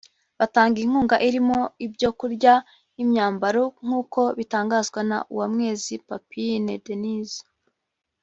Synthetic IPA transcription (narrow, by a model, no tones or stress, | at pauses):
βataːŋɡiiŋ̥huːŋɡaʔiɾimo̞ibɟo̞kuɾɟa | imɲaːmbaɾoŋ̥uːko̞βitaːŋɡaːzɡwana̰ʔṵwamŋe̞ːzipapinedeniz